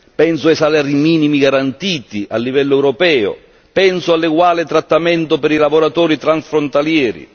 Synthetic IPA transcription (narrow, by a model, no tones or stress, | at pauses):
pɛnsʊesalɛɾimiːnimiɡaɾant̪iːt̪iʔalːivɛlːʊɛwɾɔpɛːʊ̰ | pɛnsʊalːɪɡwaːlɪt̪ɾat̪ːamɛnt̪ʊpɛɾilavoɾat̪ɔːɾit̪ɾansfɾont̪aljɛːɾḭ